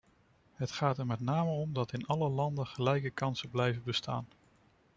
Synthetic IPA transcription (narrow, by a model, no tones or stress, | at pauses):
ɦətχaːtɛɹmɛtnaːməɔmdɑtɪnɑləlɑndəχəlɛjkəkɑnsəblɛjvəbəsta̰ːn